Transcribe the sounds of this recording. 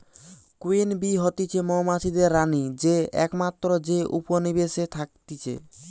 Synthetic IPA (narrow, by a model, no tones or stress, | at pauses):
kuenbiɦot̪it͡ɕʰemɔmat͡ɕʰid̪eɾːanid͡ʑeɛ̰kmat̪ːɾod͡ʑeʔuponibeʃet̪ʰak̚t̪it͡ɕʰḛ